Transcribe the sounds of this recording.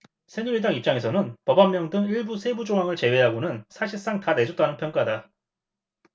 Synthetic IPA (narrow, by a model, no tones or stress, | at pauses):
sʰeɲuidaŋip̚t͡ɕ͈aŋe̞s̬ʰʌnɯnpʌbamːjʌŋdɯŋiɭbusʰe̞bud͡ʑoŋɦaŋɯɭt͡ɕe̞we̞ɦaɡonɯnsʰaɕʰiɭs͈aŋtane̞d͡ʑot͈anɯnpʰjʌŋk͈ada